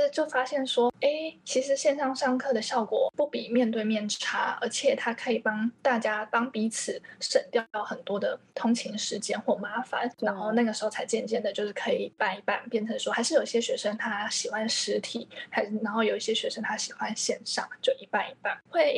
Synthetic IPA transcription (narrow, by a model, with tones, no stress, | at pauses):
t͡ɕjo˥˩ʊfa˥ɕjɛ˥˩nʂwɔ˥e˥˩ɪt͡ɕʰi˧˥ʂɻ̩˧˥ɕjɛ˥˧nʂɑ˥˧ŋʂɑ˥˧ŋkʰɤ˥˩d̪ə˩ɕjɑ˥˩ʊkwɔ̰˨˩pu˥˩pi˨˩mjɛ˥˧nt̪we˥˧ɪmjɛ˥˩nʈ͡ʂʈ͡ʂʰa˥ə̰˧˥t͡ɕʰjɛ˨˩t̪ʰa˥kʰɤ˧˥i˨˩pɑ˥ŋt̪a˥˩t͡ɕja˥t̪ɑ˥ŋpi˧˥t͡sʰɹ̩˨˩˦ʂə˨˩nt̪jɑ˥˧ʊt̪ʊxə˨˩nt̪wɔ˥d̪ə˨t̪ʰʊ˥ŋt͡ɕʰi˧˥ŋʂɻ̩˧˥t͡ɕjɛ˥nxwɔ˥˩ma˥fa̰˨˦nna˧˥nxo˥˧ʊna˥˩ɡə˩ʂɻ̩˧˥xo˥˩ʊt͡sʰa˧˥ɪt͡ɕjɛ˥˧nt͡ɕjɛ˥˩nd̪ə˩t͡ɕjo˥˧ʊʂɻ̩˥˩kʰɤ˧˥ḭ˨˩˥pa˥˩ni˧˥pa˥˩npjɛ˥˩nʈ͡ʂʰɤ˧˥ŋʂwɔ˥xa˧˥ʂɻ̩˥˩jo˨˩i˧˩ɕjɛ˥ɕɥɛ˧˥ʂə˥ŋt̪ʰa˥ɕi˨˩xwa˦˥nʂɻ̩˧˥t̪ʰi˨˩˦xa˧˥ɪʂ̩˥˩na˧˥nxo˥˩ʊjo˨˩ʊi˥˩ɕjɛ˥ɕɥɛ˧˥ʂə˥ŋt̪ʰa˥ɕi̥˨˩xwa˧˦nɕjɛ˥˧nʂɑ̰˥˧ŋt͡ɕjo˥˩ʊʔi˧˥pa˥˩ni˧˥pa˥˩nxwe˥˩ɪ